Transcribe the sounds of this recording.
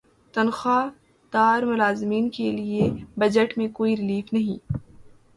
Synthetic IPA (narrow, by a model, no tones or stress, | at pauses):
t̪ɐnxaː | t̪aːɾmʊlaːzmiːnkeliebɐd͡ʒəʈmẽkoːiɾɪliːfnɐɦḭ̃ː